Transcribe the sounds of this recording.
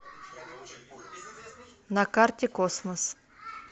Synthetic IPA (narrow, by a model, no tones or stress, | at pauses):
nɐkɑrt̪ʲɪkɔsmɔs